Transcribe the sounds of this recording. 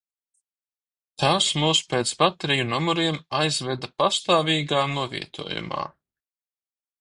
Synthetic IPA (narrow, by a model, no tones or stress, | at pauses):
t̪aːsmuːspeːt̪sbat̪eɾijunumɔɾiɛmajzvɛd̪apast̪aːvʲiːɡaːnuɔvʲḭɛt̪ʰṵɔjṵma̰ː